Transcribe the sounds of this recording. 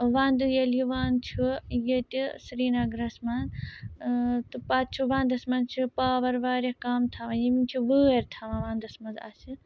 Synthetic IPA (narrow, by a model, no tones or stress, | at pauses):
ʋãːnd̪ujeliʋaːnt͡ʃʰujet̪isɾiːnaːɡɾɐsman | t̪ɨpaːt̪t͡ʃʰuʋãːnd̪ɐsmɐnt͡ʃʰupaːʋɐɾʋaːɾekaːmt̪ʰaʋãːjemint͡ʃʰuʋəːeɾt̪ʰaʋãʋãːnd̪ɐsmɐnza̰ːsi